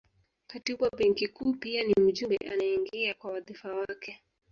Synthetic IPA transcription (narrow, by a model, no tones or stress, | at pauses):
katiɓwaɓɛŋkikuːpianim̩ʄumbɛ̰ʔa̰naiŋɡiakwawaðifawakɛ